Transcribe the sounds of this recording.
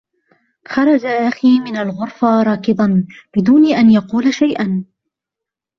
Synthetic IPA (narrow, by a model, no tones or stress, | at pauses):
xɑɾˤɑd͡ʒaʔaxiːmɪnalɣʊɾfaɾˤɑːkɪd̪ˤɑnbɪd̪uːnɪʔanjɑquːlaʃajʔan